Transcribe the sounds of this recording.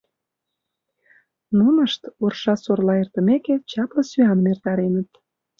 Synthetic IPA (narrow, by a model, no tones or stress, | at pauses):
nunəʃt̪orʃɑsorlɑert̪ə̆meket͡ɕɑpləsyɑnmert̪ɑɾenə̆t̪